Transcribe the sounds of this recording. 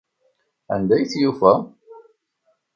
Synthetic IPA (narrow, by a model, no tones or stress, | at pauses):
æ̰nd̪æjθjufæ